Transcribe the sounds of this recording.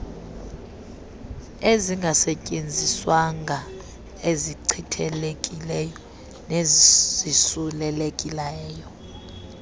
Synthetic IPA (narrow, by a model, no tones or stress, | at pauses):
eziŋɡʱasɛcʼend͡zʱiswaŋɡʱa | eziǀʰitʰɛlekʼilɛjɔ | nezisulɛlekʼilɛːjɔ